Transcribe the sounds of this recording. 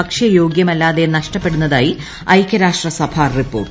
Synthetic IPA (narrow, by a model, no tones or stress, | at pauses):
ɐkʂjɐjo̞ːɡjɐmɐlːaːðenɐʂʈɐpːe̞ɽunːɐðaːji | ɐjkʲːɐɾaːʂʈrɐsɐbʱaːripːo̞ːʈ